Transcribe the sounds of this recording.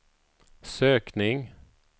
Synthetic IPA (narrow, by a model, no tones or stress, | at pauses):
søːknɪŋ